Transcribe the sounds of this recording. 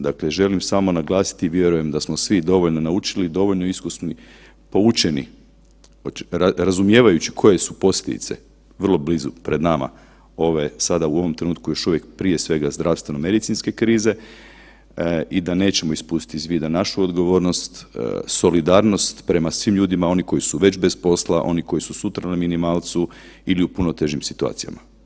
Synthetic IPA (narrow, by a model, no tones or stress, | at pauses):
d̪akleʒe̞limsaːmo̞naɡlˠaːsi̥t̪iːʋje̞ɾuje̞md̪asmo̞sʋid̪o̞ʋoʎno̞naut͡ʃilid̪o̞ʋo̞ʎnoiskusmi | po̞ut͡ʃenḭ | oaɾazumje̞ːʋajut͡ɕikʰo̞je̞supo̞sjʲed̪ḭt̪se̞̰ | ʋrlˠo̞blizupɾe̞d̪nama̰ | o̞ʋesad̪auo̞ʋomt̪ɾe̞nuːt̪̚kujo̞ʃuʋje̞k̚pɾije̞sʋe̞ɡazd̪ɾafst̪ʋe̞nome̞d̪it̪sinske̞kɾiːze̞ | id̪ane̞ːt͡ɕe̞mo̞ispuːst̪i̥t̪izʋid̪anaʃuod̪ɡo̞ʋo̞ːɾno̞st̪so̞lid̪aːɾno̞st̪pɾe̞masʋiːmʎuːd̪imao̞niko̞jisuʋe̞t͡ʃbespo̞slˠaʔo̞̰niko̞jisusut̪ɾanaminimaːlˠt̪su | iliupunot̪e̞ʒimsit̪ua̰ːt̪sija̰ma